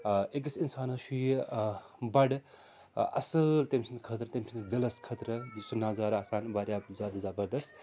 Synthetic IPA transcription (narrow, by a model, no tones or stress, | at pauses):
ek̬ɐsinsaːnɐʃuj | bɐɖ | ɐ̰sɐlt̪emsʰint̪kʰɐt̪ɾɐt̪emsʰind̪ilɐskʰɐt̪ɾɐsunːaːzaːɾaːsaːnbaːɾʲjaːbzʲjaːd̪ɐzɐbɐɾd̪ɐst̪